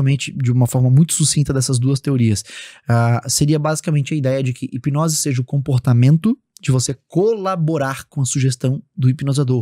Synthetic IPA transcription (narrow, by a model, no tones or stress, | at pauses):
ɐmẽnt͡ʃɪd͡ʒɪũmɐfɔɾmɐmũj̃t̪ʊ̥susĩnt̪ɐd̪ɛsɐzd̪uɐst̪eoɾiɐsaseɾiɐbazikamẽnt͡ʃɪɐid̪ɛjɐd͡ʒɪkʰɪʔipinɔzɪseʒɐʊkõpoɾt̪amẽnt̪ʊ | d͡ʒɪvosekolaboɾaɾkõɐsuʒest̪ɐ̃w̃d̪ʊipinozad̪oɾ